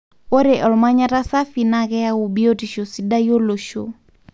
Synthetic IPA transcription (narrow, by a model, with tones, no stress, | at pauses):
ɔ˦ɾɛʔɔ˨lma˦ɲa˦ɾa˦sa˦finaɣɛaubi˦ɔtiʃɔ˨siɗa˦jɔ˦lɔ˨ʃɔ̰˨